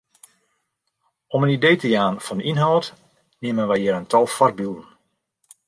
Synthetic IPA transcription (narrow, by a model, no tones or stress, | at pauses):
ɔmənidejtəjaːnfɔndəinɦɔwt | nɪəmənʋɛjɪːɾəntʰɔlˠfɔrbylˠən